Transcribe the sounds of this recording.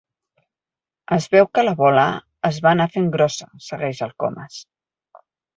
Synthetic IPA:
əzβɛwkələβɔləː | zβanafeŋɡɾɔsəsəɣɛʒəlˠkɔ̰məs

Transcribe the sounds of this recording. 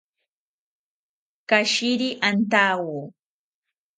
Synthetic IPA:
kaʃɪɾiʔant̪aːwuː

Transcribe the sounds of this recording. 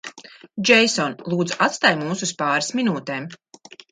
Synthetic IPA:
d͡ʒɛjsɔnlˠuːd̪zuʔat̪st̪aːjmuːsuspaːɾasminuːt̪eːm

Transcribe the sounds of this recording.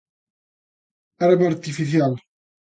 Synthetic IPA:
aɾbaɾt̪ifiθjal

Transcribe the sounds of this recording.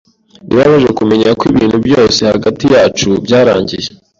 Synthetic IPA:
niβaβaʒe̞kume̞ɲakwiβiːnhubjo̞ːse̞haɡatijaːt͡ʃubɟaːɾa̰ːɲɟije̥

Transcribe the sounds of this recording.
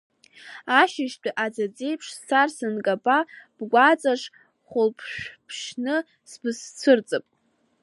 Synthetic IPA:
aʃɪʃtʰʼaʔad͡zad͡zʼe̞jpʰʂst͡sʰarsɨnkʼapʼab̥ɡʷat͡sʼaʂ | χʷʊlpʰʃᶣpʰʃnɨ | sbɨst͡sʷʰɨrt͡sʼɨpʼ

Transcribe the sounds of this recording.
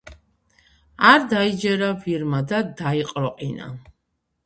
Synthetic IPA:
aɾd̪aid͡ʒɛɾaviɾmad̪ad̪aiqʼɾɔqʼina̰

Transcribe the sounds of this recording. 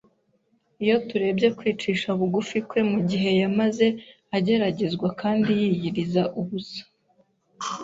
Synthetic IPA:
ijo̞tuɾe̞ːbje̞kwiːt͡ʃiːʃauβuɡufikwe̞muɟiɦe̞jamaze̞ | aɟe̞ɾaɟe̞zɡwakaːndijiːjiɾizaʔuβusḁ

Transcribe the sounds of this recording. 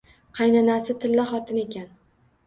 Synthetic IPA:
qʰɑjnanasɪt̪ʰɪlːaχɒt̪ʰɪne̞kʲan

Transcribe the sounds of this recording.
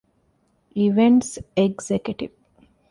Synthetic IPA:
iʋẽɳʈseɡzekjuʈiʋ

